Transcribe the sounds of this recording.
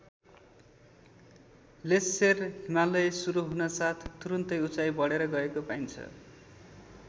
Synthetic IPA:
lesːerɦimalʌjsuɾuɦunʌsat̪ʰt̪uɾunt̪ʌjut͡sajbʌɽeɾʌɡʌekopajnt͡sʰʌ̰

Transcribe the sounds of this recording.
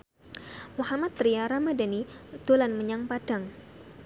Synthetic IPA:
muhamat̪̚ːɾiaɾamadanit̪olanməɲaŋpad̥aŋ

